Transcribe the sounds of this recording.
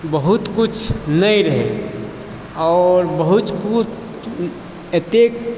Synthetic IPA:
bəɦut̪kut͡ʃʰnəiɾəɦe | ɔːɾbəɦut̪kut͡ʃ | et̪ek

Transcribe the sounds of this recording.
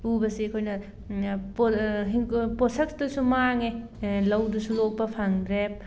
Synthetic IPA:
ubɐsiɐkʰojnɐ | pɦiŋposɐk̚sdusumaŋe | lɐwdusulok̚pɐpʰaŋdɾep̚

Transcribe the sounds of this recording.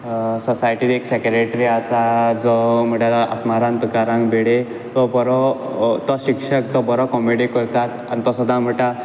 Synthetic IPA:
sɔsajʈid̪eksɛkɾeʈɾiasad͡zɔm̤əɽalaʔa̰t̪maɾãnp̪əkaɾãŋkbeɽe | t̪ɔbɔɾɔ | t̪ɔɕikʂək̚t̪ɔbɔɾɔkɔmeɽikəɾt̪at̪anit̪ɔsɔd̪ʱãm̤əʈa

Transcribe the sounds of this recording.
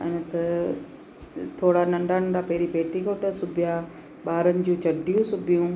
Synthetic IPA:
ɛ̰̃nt̪ɐ | t̪ʰoːɽanɐ̃ɳɖaːnɡaːpɐɦɾipeːʈikoʈɐsʊbʱɪja | ɓaːɾənɪ̆d͡ʑũːt͡ɕɐɖʱijũsʊbʱijũː

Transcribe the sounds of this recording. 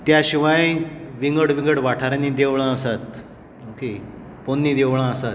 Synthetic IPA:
t̪jaɕiʋãj̃ʋiŋɡəɽʋĩŋɡəʈʋaʈʰaɾanĩd̪eʋɭãəsat̪ | oke | ponːiːd̪eʋɭ̃ãəsat̪

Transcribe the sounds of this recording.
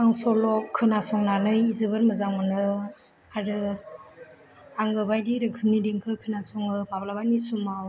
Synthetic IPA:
aŋsɔlɔkʰɯnasɔŋnanɯjizɯβɯɾmɯzaŋmɯnɯ | aɾɯ | aŋɡɯbajdiɾɯkʰɯmnidiŋkʰɯkʰɯnasɔŋɯmablabanisumaw

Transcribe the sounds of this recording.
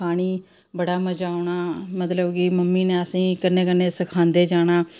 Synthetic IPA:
aːɽ̃iː | bəɽaːməd͡ʒaːʊɳaːmət̪ləbkɪməmːiːnẽːəsĩːkɪnːeːk̬ənːeːsɪkʰãːnd̪eːd͡ʒaːɽ̃aː

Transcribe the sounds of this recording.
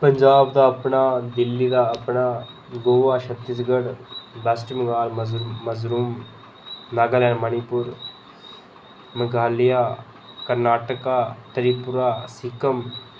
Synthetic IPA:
pəɲd͡ʒaːbd̪aːɐpnaːd̪ɪlːid̪aːəpnaː | ɡoːʋaːʃʰət̪ːisɡəɽb̪əsʈməɡaːlmməzɾuːm | naɡəlɛːɾmənipʊɾ | məɡaːlijaː | kəɾnaːʈəkaːt̪əɾipʊɾaːsɪkəm

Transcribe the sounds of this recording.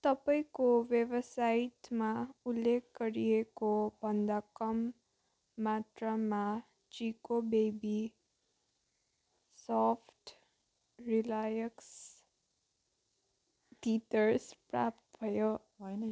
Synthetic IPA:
t̪ʌpaĩkowjebʌsait̪maulːekʰɡʌɾijekobʱʌnd̪akʌmː | at̪rama | t͡ʃikobebi | sɔpʰʈ | rilajʌks | t̪it̪ʌɾspra̰p̚t̪bʱʌjo

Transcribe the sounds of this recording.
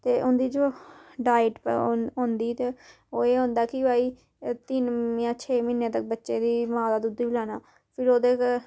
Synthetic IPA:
t̪eːʔʊnd̪iːd͡ʒoːɖaːɪʈpõːnd̪iːt̪eː | oːeːɦõːnd̪aːkɪbaːiː | t̪ɪnjãːt͡ʃʰeːmɪnːẽːt̪ək̚bətːʃeːd̪iːmãːd̪aːd̪ud̪iːblaːnaː | pʰɪɾoːd̪eːk

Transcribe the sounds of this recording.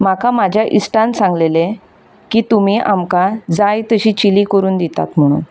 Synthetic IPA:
makamad͡ʑʱjaʔisʈãnsãŋɡlele | kiːt̪umiːʔamkad͡zajt̪əɕiːt͡ɕilikəɾuːnd̪it̪a̰t̪m̤əɽ̃ṵːn

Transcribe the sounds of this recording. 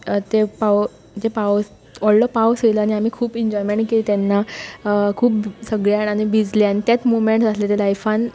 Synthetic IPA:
t̪epaw | d͡ʑepaws | ɔlɖəpawseləaɽ̃iam̤iːkʰuːpiɲd͡ʑɔjmeɳʈkeliːt̪ɛnːa | kʰuːpsəɡɭjanañibid͡zleanit̪jat͡smomeɳʈd͡zat̪let̪elajfan

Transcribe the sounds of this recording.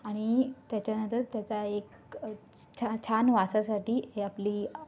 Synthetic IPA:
aɽ̃it̪jat͡ɕjanə̃nt̪əɾt̪jat͡saek | t͡ɕʰat͡ɕʰanʋasasaʈiːeapliː

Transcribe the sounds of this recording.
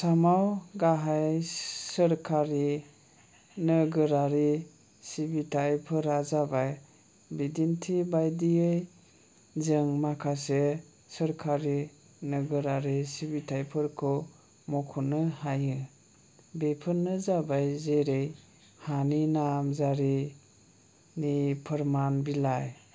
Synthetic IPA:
samawɡaɦajsəɾkʰaɾi | nɯɡɯɾaɾi | sibitʰajpʰɯɾazabaj | bidintʰibajdiɯj | zɯŋmakʰase | səɾkʰaɾi | nəɡɯɾaɾisibitʰajpʰɯɾkʰɯ | mɔkʰɔnɯhajɯ | bepʰɯnːɯzabajzeɾej | haninamzaɾi | nipʰəɾmanbilaj

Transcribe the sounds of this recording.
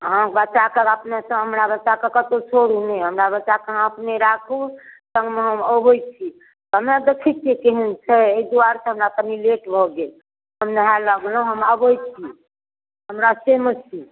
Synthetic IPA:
ɦãbət͡ʃakəɾəpnesə̃ɦəmɾabət͡ʃakəkət̪ot͡ʃʰoɽuneɦəmɾaβət͡ʃakəɦãəpneɾakʰũsə̃ŋɡmeɦəməbojt͡ʃʰi | t̪ɔɦəmad̪ekʰɛt̪̚kekeɦint͡ʃʰɛeid̪uaɾsə̃ɦəmɾak̪ənileʈbʱɔɡe | ɦəmnəɦaləɡlũɦəməbojt͡ʃʰi | ɦəmɾasemət͡ʃʰi

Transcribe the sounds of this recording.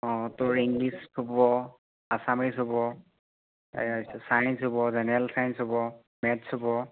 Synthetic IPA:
ɔ̃tʊɹiŋɡlisʊbɔ | asamisʊbɔ | sajnsʊbɔzɛnɛɹalsajnsɦʊbɔ | mɛtshobɔ

